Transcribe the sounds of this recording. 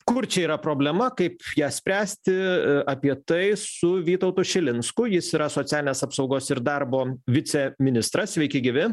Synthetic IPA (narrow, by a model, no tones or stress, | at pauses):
kʊɾt͡ʃʲɛiːɾɐpɾoːbʲlʲɛmɐkɐɪpjæːsʲpʲɾʲæːsʲt̪ʲɪɐpʲiɛt̪ɐɪsʊʋʲiːt̪oʊt̪ʊʃʲɪlʲɪnskʊjɪsiːɾɐsoːtt͡s̪ʲæːlʲɪnʲeːsɐpsɒʊɡoːsɪɾd̪ɐrboːʋʲɪt͡s̪ʲɛmʲɪnʲɪst̪ɾɐssʲʋʲɛɪkʲɪɡʲɪʋʲɪ